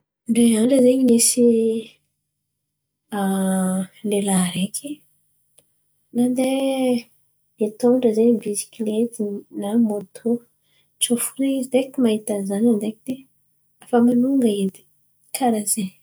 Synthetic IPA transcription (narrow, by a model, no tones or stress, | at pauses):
ɳɖ͡ʐeaɳɖ͡ʐəzeɲinisi | a | lelaɾekʰi | nand̪e | et̪oɳɖ͡ʐəzebisi̥kʲilet̪inamot̪ʰo | t͡ʃofunizid̪ekimaɦit̪azanand̪ekid̪̥e | afamanuŋɡaed̪i̥ | kʰaɾaze